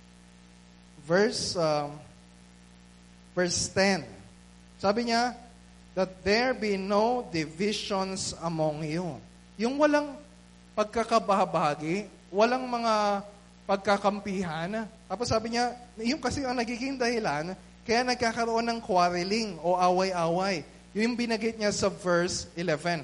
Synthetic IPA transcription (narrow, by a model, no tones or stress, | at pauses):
vɛɹs | vɛɹst̪ɛn | saːbɪɲa | d̪ɐt̪̚d̪ɛɹbinowd̪ɪvɪʃonsɐmoŋju | jʊŋwɐlaŋ | pɐɡ̚kɐkɐbɐabaːɡɪ | wɐlaŋmɐŋa | pɐɡ̚kɐkɐmpiːɦant̪aːposːaːbɪɲaɪjʊŋkɐsɛɐŋnɐɡiːɡɪŋd̪ɐhɪlan | kɐjanɐɡ̚kaːkɐɾoʔo̞nːɐŋkwaɾɐlɪŋo̞ʔaːwɐjʔaːwɐj | jʊjʊŋbɪnɐɡɪt̪̚ɲasɐvɛɹsɪlɛvɛ̃n